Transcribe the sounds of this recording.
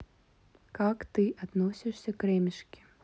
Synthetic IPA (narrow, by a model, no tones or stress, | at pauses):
kakt̪ɨʔad̪nɔsʲiʂsʲɐkɾɛmʲiʂkʲi̥